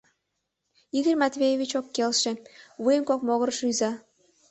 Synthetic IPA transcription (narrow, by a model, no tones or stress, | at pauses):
iɣərʲmɑt̪βʲejeβʲit͡ɕokːelʃĕβujəmkokmoɣərʃyjzɑ